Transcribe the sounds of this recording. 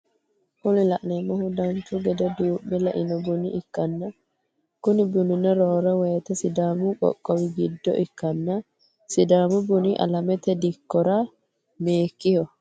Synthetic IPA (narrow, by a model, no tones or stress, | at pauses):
ʔʊlɪlɐʔnɛmːɔhʊd̪ɐnt͡ʃːʊɡɛd̪ɛd̪uːʔɛlɐʔɪnɔbʊnɪʔɪkːɐnːɐ | kʊnɪbʊnʊnɛɾoːɾɐwɛjt̪ɐsɪd̪aːmʊkʼɔ̰kʼːɔwɪɡɪd̪ːɔ̰ʔɪkːɐnːɐ | sɪd̪aːmʊbʊniʔɐ̰lɐmɛt̪ɛd̪ɪkːɔɾɐ | meːkːɪhɔ